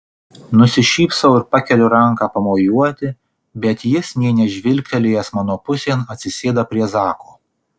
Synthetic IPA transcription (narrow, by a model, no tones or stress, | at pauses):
nʊsʲɪʃʲiːpsɐʊɪɾpɑkʲɛlʲʊɾɐŋˑkɑːpɐmoːjuɔt̪ʲɪ | bʲɛt̪jɪsnʲɛɪnʲɛʒʲʋʲɪlʲk̚ʲt̪ʲɛlʲejɛsmɑːnoːpʊsʲeːnɐt̪ʲsʲɪsʲeːd̪ɐpʲɾʲiɛzɑːkoː